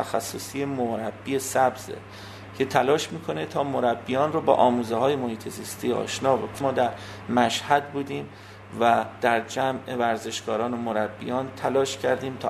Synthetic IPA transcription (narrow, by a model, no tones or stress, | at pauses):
æxæsːosiemoɾæbːiesæbzḛ | cʰe̞t̪ʰælɒːʃmiːkʰo̞net̪ʰɒːmoɾæbːijɒːnrobɒ̰ːʔɒːmuːzeɦɒːjemohiːt̪ʰeziːst̪ʰiːɒ̰ːʃnɒːbokʰomɒːd̪æɾ | mæʃhæd̪̚buːd̪iːm | væd̪̥æɾd͡ʒæme̞væɾze̞ʃɡɒːɾɒːnomoɾæbːḭjɒːnt̪ʰælɒːʃcʰæɾd̪iːmt̪ʰɒː